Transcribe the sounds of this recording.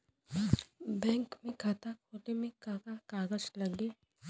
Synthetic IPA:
bɛ̃ːŋkmẽkat̪akʰotemẽkakakaːɡəd͡ʒlɐɡle

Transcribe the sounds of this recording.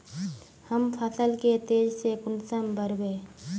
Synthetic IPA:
həmpʰəsəlket̪eːd͡ʒsekʊnsəmbʱəɾbeː

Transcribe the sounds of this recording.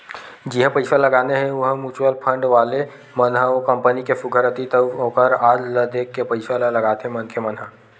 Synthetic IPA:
d͡ʒiɦə̃pəɪsaləɡaːneɦɛ̃ʊɦmuːt͡ʃwəlpʰə̃ɳɖʋaːle | mənɦəkə̃mpənikefʊɡʱəɾət̪it̪əõːkəɾaːd͡ʒləd̪eːkːepəɪsalalɐɡaːt̪eɦɛ̃mɐnkʰemɐnɦa

